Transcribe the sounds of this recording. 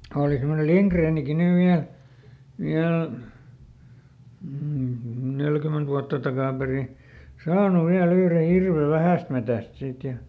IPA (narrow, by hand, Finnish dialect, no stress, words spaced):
oːli semːonel liŋkreːniki nyʋ ʋiæl ʋiæl nelkyment ʋuɑtːɑ tɑkɑˑperi sɑːnu ʋiæl yhre hirʋe ʋæhæˑstmetæˑst siːt jɑ